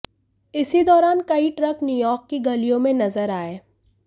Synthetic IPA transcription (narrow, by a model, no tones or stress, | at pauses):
ɪsid̪ɔːɾaːnkɐiʈɾɐknjuːjɔːɾkːiɡɐlijõmẽnɐzəɾaːeː